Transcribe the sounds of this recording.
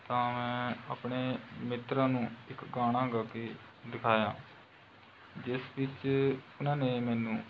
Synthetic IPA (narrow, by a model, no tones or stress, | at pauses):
t̪ãːmɛ̃ːəpɳeːmɪt̪ɾãːnũːɪkɡaːɽ̃ãːɡaːkeː | d̪ɪkʰaːjãː | d͡ʒɪsʋɪt͡ʃʊnãːneːmɛːnũː